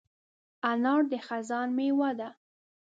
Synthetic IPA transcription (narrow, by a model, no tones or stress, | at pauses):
anɑɽd̪əxazɑnmewad̪a